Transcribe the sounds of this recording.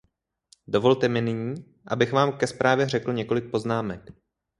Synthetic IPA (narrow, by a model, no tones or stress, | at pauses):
do̞vo̞lt̪ɛmɪnɪɲiː | ʔabɪxvaːmkɛspɾʔaːvjɛr̝ɛkl̩ɲɛko̞lɪk̚po̞znaːmɛk